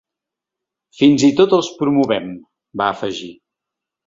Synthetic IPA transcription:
finzit̪ot̪əlˠspɾumuβɛm | baːfəʒi

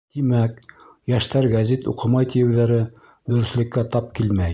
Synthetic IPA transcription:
t̪imæk | jæʃt̪æɾɡæzit̪ṵqɤ̆mɑjt̪ijɘ̆wðæɾɘ | d̪ɵ̆ɾɵ̆θlɘ̆kːæt̪ɑp̚kilmæj

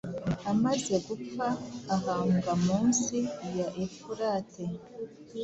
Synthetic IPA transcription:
amaze̞ɡup͡faːɦaːmɡamuːnsiːjoʔefuɾaːtʰe

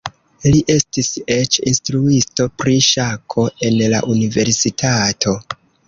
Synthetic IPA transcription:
liʔe̞stise̞t͡ʃinstɾuisto̞pɾiʃakʰo̞e̞nla̰ʔunive̞ɾsitʰatʰo̞

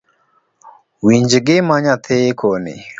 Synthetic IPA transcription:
wiɲd͡ʒɡɪmaɲat̪ʰekʰonḛ

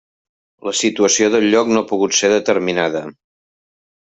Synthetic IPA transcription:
ləsit̪uəsioðəʎʎːɔknopuɣut̪seðət̪əɾminaðə

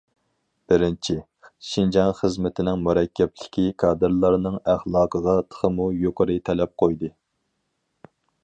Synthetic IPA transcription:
b̥ɪɾɪnt͡ʃʰi | ʃind͡ʒɑŋχəzmɪt̪ʰɪnɪŋmuɾɛkʲːɛplɪkʲikʰɑːd̪ɨɾlˠɑɾnɨŋæχlˠɑːqʰəʁɑt̪ʰə̥χəmujoqʰəɾɨt̪ʰɛlɛp̚qʰojd̪ɨ

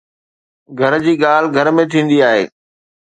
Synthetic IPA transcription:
ɡʱɐɾd͡ʑiːɠaːl̤ɡʱɐɾmẽt̪ʰĩːn̆d̪iaːɦḛː

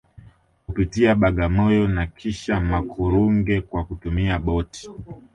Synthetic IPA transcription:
kupitiaɓaɠamɔjɔnakʰiʃamakʰuɾuŋɡɛkwakutumiaɓɔti̥

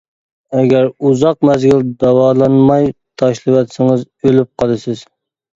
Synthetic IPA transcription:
ɛɡʲæɾuzɑq̚mæzɡʲild̪ɑwɑːlˠɑnmɑjt̪ʰɑʃlˠɨwɑt̪sɪŋɨz | ølyp̚qʰɑlˠɨsɪz̥

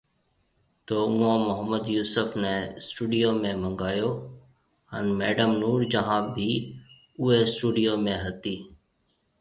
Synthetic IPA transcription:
t̪oːʊõːmʊɦəməd̪juːsəfnɛ̃ːsʈuːɖijoːmẽːmə̃ŋɡaːjoː | ənmeːɖəmnuːɾd͡ʒəɦãːbʱiː | ʊɦeːsʈuːɖijoːmẽːɦət̪iː

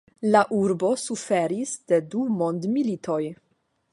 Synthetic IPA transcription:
laʔuɾbo̞sufe̞ɾisd̥e̞dumo̞nd̪militʰo̞j

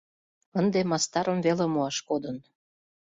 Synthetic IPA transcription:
ənd̪emɑst̪ɑɾə̆mvelemuɑʃkod̪ən

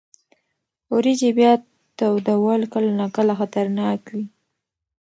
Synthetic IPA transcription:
oɾid͡ʒebjɑt̪ː | awd̪əwalkəlnakəlaxat̪aɾnɑkwi

